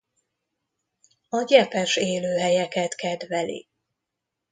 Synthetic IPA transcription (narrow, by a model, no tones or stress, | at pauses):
ɒɟɛpɛʃeːløːɦɛjɛkɛt̪kɛd̪vɛlḭ